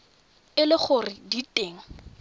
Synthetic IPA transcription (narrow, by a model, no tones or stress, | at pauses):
ɪlɪχʊrɪditʼeːŋ̩